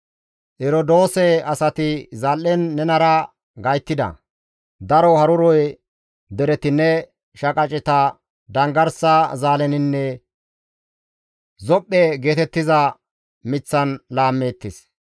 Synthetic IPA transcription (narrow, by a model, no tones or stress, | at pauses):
ʔɛɾod̪oːsɛɐsɐt̪ɪzɐlːɛnːɛnɐɾɐ | ɡɐjt̪ːɪd̪ɐ̰ | d̪ɐɾɔhɐɾʊɾɔj | d̪ɛɾɛt̪ɪnːɛ | ʃɐkʼɐt͡ʃʼɪt̪ɐ | d̪ɐŋɡɐɾsɐzaːlɛnɪnːɛ | zɔpʼːɛɡe̞ːt̪ɛt̪ːɪzɐ | mɪt͡sːɐnlaːmːeːt̪ːɪs